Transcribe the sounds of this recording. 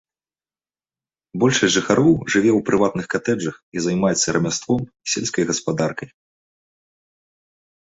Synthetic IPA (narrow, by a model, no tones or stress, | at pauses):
bɔlʲʂɐsʲʐɨxaɾɔwʐɨvʲɛwpɾɨvat̪̚nɨxkat̪ɛd͡ʐɐxizɐjmajɛt̪sːɐɾʔɐmʲast̪vɔmisʲɛlʲskɐjɣɐspad̪arkɐj